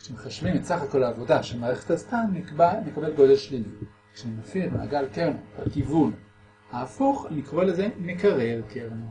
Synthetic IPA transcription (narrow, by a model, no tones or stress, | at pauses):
kʃemχaʃvimetsaχako̞laːvo̞daʃemaːʁeχetastanamekabe̞lɡo̞d̪e̞lʃlili | kʃemafiletmḛa̰ɡalkeʁnobakivun | haːfuχlikʁo̞leze̞mekaʁelkeʁnu